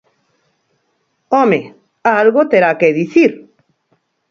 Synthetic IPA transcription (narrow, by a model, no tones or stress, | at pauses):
ome | aalɣot̪eɾakeðiθiɾ